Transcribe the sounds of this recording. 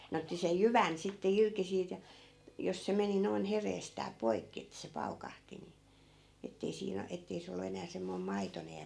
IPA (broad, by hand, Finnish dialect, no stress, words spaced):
ne otːi sej jyʋæn sitːe irki siːt jɑ jos se meni noi̯n hereːstæː poi̯kːi etːæ̆ se pɑukɑhti ni etːei siːn o etːei se olˑu enæː semːoi̯m mɑitonej jɑ